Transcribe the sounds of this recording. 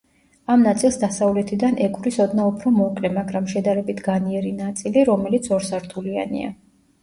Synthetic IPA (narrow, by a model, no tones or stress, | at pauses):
amnat̪sʼilˠsd̪asavlɛt̪ʰid̪anʔɛkʼvɾisɔd̪naupʰɾɔmɔkʼlɛmaɡɾamʃɛd̪aɾɛbit̪ʰɡaniɛɾinat̪sʼiliɾɔmɛlit̪sʰɔɾsaɾt̪ʰulia̰nḭa̰